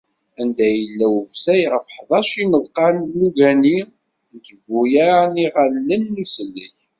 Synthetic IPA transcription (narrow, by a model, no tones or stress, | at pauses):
ænd̪æjəlːæwəvsæjʁəfħðˤɑʃinəðˤqɑnːuʝæni | nt͡s̪əɡʷːujaɾaniʁalːənːusəlːəç